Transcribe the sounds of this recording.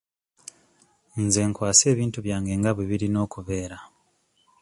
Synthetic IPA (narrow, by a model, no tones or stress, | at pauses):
nze̞ːŋkwaːse̞ːβiːntuβjaːŋɡe̞ːŋɡaβweβiɾino̞ːkuβe̞ːɾa